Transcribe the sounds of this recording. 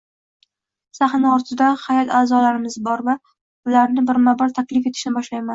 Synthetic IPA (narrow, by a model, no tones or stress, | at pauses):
saχnaɒɾt̪ʰɪd̪ahajɒt̪aːzɒlaɾɪmɪzbɒɾva | ʊlaɾnɪbɪɾmabɒɾt̪ʰakʲlɪfe̞t̪ʰɪ̥ʃnɪbɒʃlajman